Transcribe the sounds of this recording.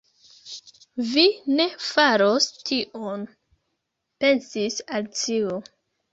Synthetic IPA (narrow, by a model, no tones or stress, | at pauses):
vine̞faɾo̞stʰiʔon | pe̞nsisalt͡ʃio